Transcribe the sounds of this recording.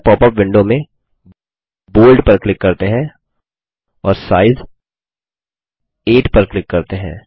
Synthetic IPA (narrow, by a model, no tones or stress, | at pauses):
pɔːpəpʋɪ̃ɳɖomẽ | boːlɖpɐɾklɪkːɐɾt̪eɦɛ̃ | ɔːɾsaːɪz | eːʈpɐɾklɪkːɐɾt̪eɦɛ̰̃ː